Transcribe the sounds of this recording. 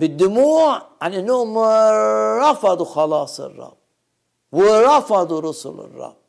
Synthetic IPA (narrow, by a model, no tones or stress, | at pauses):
bɪd̪ːʊmuːʕaninːoːm | ɾˤɑfɑd̪ˤuxɑlɑːsˤɨ̰rˤːɑ̰b̚ | wɪɾˤɑfɑd̪ˤuɾʊsʊ̰lɪ̰rˤːɑ̰b̚